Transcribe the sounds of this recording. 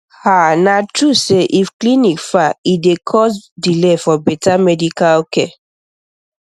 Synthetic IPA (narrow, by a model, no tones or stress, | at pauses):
hanatɹuseʔifklinikfaidekʰɔsdilefɔbɛtamɛdikalkɛ